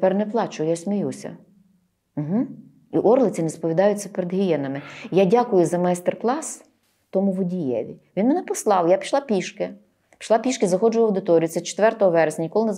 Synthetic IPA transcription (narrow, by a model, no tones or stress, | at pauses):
pɛrnɛplˠɑt͡ʃʊjʊjasʲmʲijusʲɐ̰ | m̩ɦm̩ | iʔɔrlˠɪt͡sʲɪnespɔʋʲid̪ɑjʊt͡sʲːɐpeɾed̪ɦʲijɛnɐmɪjadʲakʊjʊzɐmɑjst̪erklˠɑs | t̪ɔmʊʋɔdʲijɛ̰ʋʲiʋʲinmenɛpɔslˠɑwjapʲi̥ʃlˠɑpʲiʃkɪ | pʲi̥ʃlˠɑpʲiʃkɪzɐxɔd͡ʒʊʋɐwd̪ɪt̪ɔɾʲijʊt̪sɛt͡ʃe̥t̪ʋɛrt̪ɔɦɔʋɛɾesʲnʲɐnʲikɔlˠɪnez